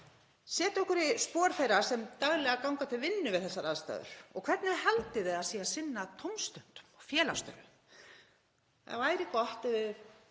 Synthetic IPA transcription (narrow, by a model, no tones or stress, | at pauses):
sɛːt̪ɔhkʏɾɪspɔːɾfejɾasɛmt̪aɣlɛɣakawŋkat̪ʰɪlvɪnːʏvɪðθɛsːaɾaðst̪a̰ːðʏ̰ɾ̥ɔ̰ɣkʰv̥ɛrt̪nɪmhɛlt̪ɪðɪðasiːaðsɪnːat̪ʰowmst̪œn̥t̪ʏ̥mɔfjɛːlast̪œ̰ɾ | θa̰vaːjɾɪkɔht̪ɪvɪð